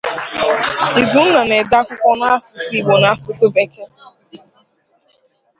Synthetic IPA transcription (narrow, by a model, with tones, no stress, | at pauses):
i˨zu˦na˨ne˨da˦kʷʊ˦kʷɔ˦na˦a˦sʊ˨si˦˨ɡ͡bo˨na˦a˦sʊ˨sʊ˦be˨ke˦